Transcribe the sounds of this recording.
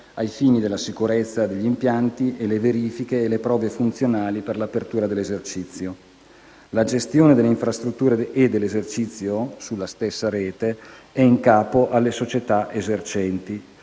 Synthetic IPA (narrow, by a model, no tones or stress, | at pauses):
ajfiːnid̪elːasikuɾet̪sːad̪eʎːimpjant̪iʔeleveɾiːfikeːlepɾɔːvefunt̪sjonaːliperlapert̪uːɾad̪elːezert͡ʃit̪sːjo | lad͡ʒest̪joːned̪eleiɱfɾast̪ɾut̪ːuːɾeed̪elːezert͡ʃit̪sːjosulːast̪esːaɾeːt̪eɛiŋkaːpoʔalːesot͡ʃet̪aʔezert͡ʃɛnt̪i